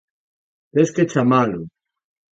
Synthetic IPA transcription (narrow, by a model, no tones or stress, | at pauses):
pesket͡ʃamalu